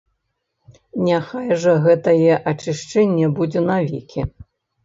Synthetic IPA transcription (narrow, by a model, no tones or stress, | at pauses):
nʲaxajʐɐɣɛt̪ɐjɛʔɐt͡ʂɨʂt͡ʂɛnʲːɛbud͡zʲɛnavʲikʲʰi